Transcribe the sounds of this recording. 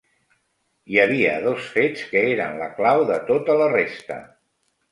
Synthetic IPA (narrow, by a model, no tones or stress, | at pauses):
jəβiə̰ðosfet͡skəeɾənləklawðət̪ot̪ələrest̪ə̰